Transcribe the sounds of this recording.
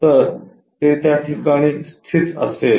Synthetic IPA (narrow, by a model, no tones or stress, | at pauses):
t̪əɾ | t̪et̪jaʈʰikaɽ̃ĩːst̪ʰit̪ə̰sel